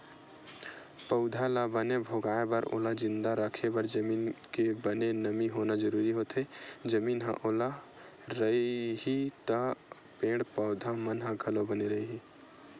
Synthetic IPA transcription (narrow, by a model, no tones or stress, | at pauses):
pəʊd̪ʱalabənebʱoɡaebəɾʔo̰lad͡ʒind̪aɾəkʰebəɾd͡ʒəminkebənenəmiɦonad͡ʒəɾuɾiɦot̪ʰed͡ʒəminɦə̰̃ʔola | ɾəiɦit̪ə | pẽɽpəʊd̪ʱamənɦə̃ɡʱəlobəneɾəiɦi